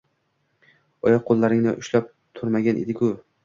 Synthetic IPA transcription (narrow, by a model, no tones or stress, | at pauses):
ɒjɑqʰːolˠːaɾɪŋnɪʔʊʃlap̚ | t̪ʰʊɾmaɡʲanʔḛd̪ɪkʰʊ